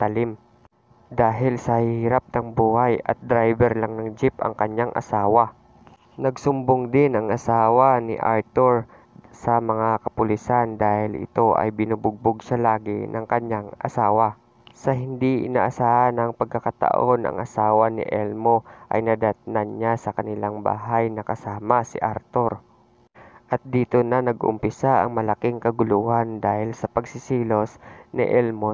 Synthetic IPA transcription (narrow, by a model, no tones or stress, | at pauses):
t̪ɐlɪm | d̪aːɦɪlsɐhiːɾap̚nɐŋbuːhajɐ̰t̪̚d̪ɾajbɛɾlaŋnɐŋd͡ʒɪpɐ̰ŋkɐɲjaŋʔɐ̰saːwɐ | nɐɡsʊmboŋd̪ɪnɐŋɐsaːwɐnɪ̰ʔa̰ɹt̪oɹ | sɐmɐŋakɐpʊlɪsand̪aːhɪlʔɪ̰t̪o̞ʔɐ̰jbɪnʊbʊɡ̚bʊɡʃalaːɡɪ̰nɐŋkɐɲaŋʔɐ̰saːwɐ | sɐɦɪnd̪iɪ̰na̰ːʔɐsaːʔanɐŋpɐɡ̚kːɐkat̪ɐ̰ʔo̞nʔɐ̰ŋʔɐsaːwanɪ̰ʔɛlmoʔɐ̰jnɐd̪at̪nanɲasɐkɐnɪlaŋba̰ːɦajnɐkɐsaːmɐsɪ̰ʔaɾt̪oɾ | ʔɐt̪̚d̪iːt̪onɐnɐɡʔʊ̰mpɪsaʔɐ̰ŋmɐlɐkɪŋkɐɡʊluːhand̪aːhɪlsɐpɐɡsɪsiːlo̞snɪ̰ʔɛlmo